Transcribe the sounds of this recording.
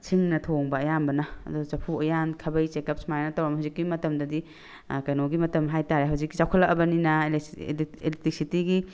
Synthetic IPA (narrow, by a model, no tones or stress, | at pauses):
t͡ʃʰiŋnɐtʰoŋbɐːjanbɐnɐɐ̰dut͡ʃɐpʰuɐjankʰɐbɐjt͡ʃekɐp̚sʰmaɾenɐtawɾamhawzikːimɐtɐmdɐdi | kɐjnoɡimɐtɐmɦajtaɾeɦawzik̚ːit͡ʃawkʰɐlːɐk̚ɐbɐninɐ | elitik̚sitiɡi